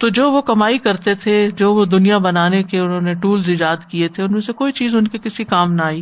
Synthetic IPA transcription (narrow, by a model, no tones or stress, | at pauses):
t̪od͡ʒoːʋokɐmaːikɐɾt̪et̪ʰed͡ʒoːʋod̪ʊnijabɐnaːnekeʊnɦõːneʈuːlzɪd͡ʒaːd̪kiet̪ʰeʊnmẽsekoːit͡ʃiːzʊnkekɪsikaːmnaaːiː